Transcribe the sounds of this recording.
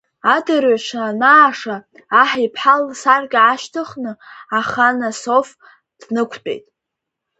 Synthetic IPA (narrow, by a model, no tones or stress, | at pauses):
adɨrɥaʂʰanaːʂaː | ħipʰħalsarɡʲaaʃtʰɨχnɨaχanaso̞f | d̥nɨkʷʰt͡pʼe̞̰jtʼ